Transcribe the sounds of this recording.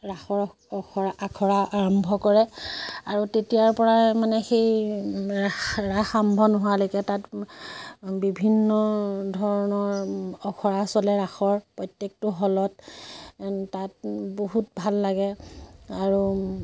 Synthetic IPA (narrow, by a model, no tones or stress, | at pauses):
ɹaxɔ | ɔkʰɔaakʰɔɹaʔaɹɔmbʱɔkɔɹɛaɹutetijaɹpɔɹamanɛxej | axɹaxambʱɔnɔɦʊwalojkɛtat | bibʱinːɔdʱɔɹɔnɔɹɔkʰɔɹasɔlɛɹaxɔɹpɹɔjtjek̚tʊɦɔlɔt | tat̚boɦut̚bʱalːaɡɛaɹu